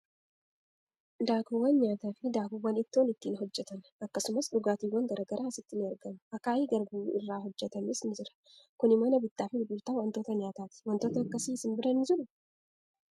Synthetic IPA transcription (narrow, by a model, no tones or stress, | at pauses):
d̪aːkuwɐnɲaːt̪aːfɪd̪aːkuwɐnɪt̪ːɪɔnɪt̪ːiːnɦɔd͡ʒːɛt̪ɐnɐkːɐsʊmɐsd̪ʊɡaːt̪iwɐŋɡɐɾʔɐɡɐɾʔaːsɪt̪ːɪnɪɐɾɡɐmʊʔɐkːaːjiɡɐɾbuːɪ̰rːaːɦɔd͡ʒːɛt̪ɐmisɪnzɪɾɐ̥ | kʊnɪmɐnɐbɪt̪ːaːfɪbult̪awɐnt̪oːt̪ɐɲaːt̪aːt̪ɪ̥wɐnt̪oːt̪ɐɐkːɐsisɪnbɪɾɐnɪzɪɾʊ